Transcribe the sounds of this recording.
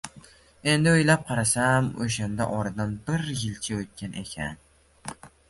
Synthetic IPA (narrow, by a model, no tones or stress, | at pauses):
e̞nd̪ɪojlap̚qʰɑɾasamo̰ʃ̬and̪a̰ʔɒɾd̪ambɪɾjɪlt͡ʃʰaot̪̚kʲanʔe̞kʲʰa̰n